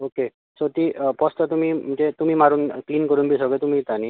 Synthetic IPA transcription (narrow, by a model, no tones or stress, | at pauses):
oke | sot̪iːpɔst̪at̪um̤iːm̤əɳd͡zet̪um̤iːmaɾuːnkliːnkəɾuːnbʱiːsəɡət̪um̤iːt̪aniː